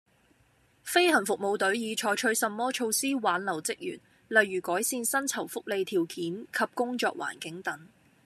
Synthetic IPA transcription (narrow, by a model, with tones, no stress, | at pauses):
fe˥jhɐ˨˩nfʊ˨k̚mo˨˧wt̪ɵ˨˥ɥjiː˨˧t͡ʃʰɔː˨˧jt͡ʃʰɵ˨˥ɥsɐ˧mːɔː˥t͡ʃʰo˧wsiː˥waː˨˥nlɐ˨˩wt͡sɪ˥k̚jy̰ː˨˩n | lɐ˨jːyː˨˩kɔː˨˥jsiː˧nsɐ˥nt͡sʰɐ˨˩wfʊ˥k̚le˨˧jt̪ʰiː˨˩wkiː˨˥nkʰɐ˨p̚kʊ˥ŋt͡ʃɔ̰ː˧k̚wa̰ː˨˩nkɪ˨˥ŋt̪ɐ˨˥ŋ